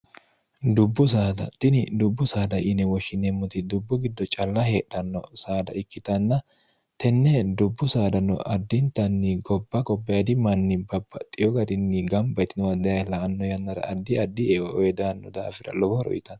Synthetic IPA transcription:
d̪ʊbːʊs̬aːd̪ɐ̰t̪ɪnɪd̪ʊbːʊsaːd̪ɐʔɪnɛwɔʃːɪnɛmːʊt̪ɪd̪ʊbːʊɡɪd̪ːɔt͡ʃʼɐlːɐheːᶑɐnːɔsaːd̪ɐ̰ʔɪkːɪt̪ɐnːɐ | t̪ɛnːɛd̪ʊbːʊsaːd̪ɐnːɔ̰ʔɐd̪ːɪnt̪ɐnːɪɡɔbːɐɡɔbːɐjɐd̪ɪmɐnːɪbɐbːɐt̪ʼːɪjɔɡɐd̪ɪnːɪɡɐmbɐjt̪ɪnɔwɐd̪ɐjɐjlɐːnːɔjɐnːɐɾɐ̰ʔɐd̪ːɪɐd̪ːɪɛɔjɛd̪aːnːɔd̪aːfɪɾɐ̰lɔbɔɾɔ̰ʔɪt̪ɐn

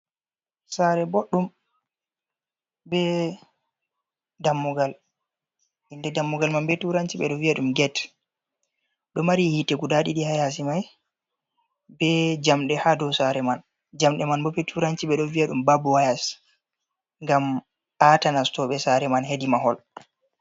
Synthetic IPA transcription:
saɾɛbɔɗːum | bɛ | damːuɡal | hindɛdamːuɡalmanbɛtuɾant͡ʃiɓɛ̰ɗɔviaɗumɡɛt | ɗɔmaɾihitɛkudaɗiɗihajas̬imaj | bɛd͡ʒamɗɛhadɔwsaɾɛman | d͡ʒamɗɛmanbɔɓɛtʰuɾant͡ʃiɓɛɗɔvijaɗumbabɔwajas | ŋɡam | ʔatanastɔɓɛsaɾɛmanhedimaɦɔl

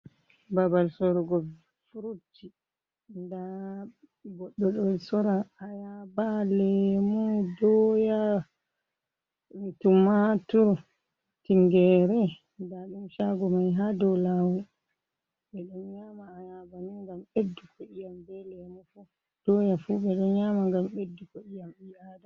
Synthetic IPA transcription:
babalsɔɾɔɡɔ | fuɾutːi | nda | ɡɔɗːɔɗɔlsɔɾaːjabalɛmɔdɔja | mitumatuɾ | tiŋɡɛɾɛ | ndaɗumʃaɡɔmajɦadɔlawu | ɓɛɗɔnɲamaːjabaniŋɡamedːukɔʔijambɛlɛmɔfu | d̥ɔjafuɓɛɗɔnɲaːmaŋɡamedːukɔijamijada

